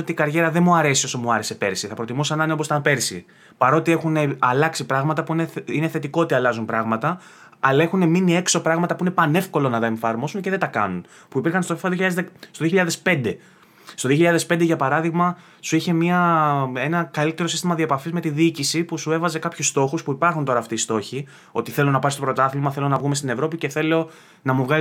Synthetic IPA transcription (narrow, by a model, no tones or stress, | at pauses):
ot̪ikɐɾʝe̞ɾɐðe̞muɐɾe̞sio̞somuɐɾe̞se̞peɾsiθɐpɾo̞t̪imusɐnɐneo̞posit̪ɐnpe̞ɾsḭ | pɐɾo̞t̪ie̞xuneɐlɐksipɾɐɣmɐt̪ɐpuineineθe̞t̪ikoot̪iɐlɐzumpɾɐɣmɐt̪ɐ | ɐlɐe̞xune̞minie̞kso̞pɾɐɣmɐt̪ɐpuinepɐne̞fko̞lo̞nɐt̪ɐe̞ɱfɐɾmo̞sunce̞ðed̪ɐkɐ̰nun | puipiɾxɐnst̪ofisoðioçiʎɐðzst̪oðioçiʎɐðe̞spe̞nd̪e̞ | st̪oðio̞çiʎɐðespend̪eʝɐpɐɾɐðiɣmɐ | suiçe̞miɐe̞nɐkɐlit̪e̞ɾosi̥st̪imɐðiɐepɐfizme̞t̪iðiːcisipusue̞vɐze̞kɐpçust̪o̞xuspuipɐɾxunt̪o̞ɾɐːft̪iːst̪o̞çi | o̞t̪iθe̞lo̞nɐpɐɾist̪opɾot̪ɐθilmɐθe̞lo̞nɐvɣume̞st̪inevɾo̞pice̞θe̞lo̞ | nɐmuvɣɐ